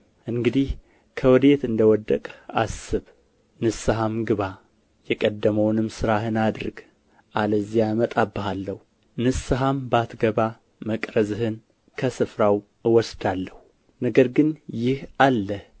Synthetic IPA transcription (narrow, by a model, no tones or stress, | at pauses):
ʔɨŋɡɨd̪ih | kʰəwɔd̪e̞t̪ɨnd̪əwɔd̪ːəkʼa̰sːɨβ | nɨsɨɦamɡɨβa | jɛkʼəd̪ːəməwnɨmsɨɾahɨnad̪ɾɨɡ | ʔaləzijamət̪ʼabːɨɦalːəhu | nɨsɨɦambat̪ɡəβa | məkʼɾəzɨhɨn | kʰəsɨfɾaw | ɨwɔsd̪alːəhu | nəɡəɾɡɨnjɪhalːəh